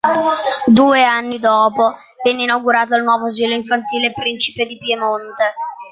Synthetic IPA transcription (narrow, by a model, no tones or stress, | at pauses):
d̪uːeanːid̪ɔːpo | vɛnːeinawɡuɾaːt̪̬oalnwɔːvoaziːloiɱfant̪iːlepɾint͡ʃi̥ped̪ipjemont̪e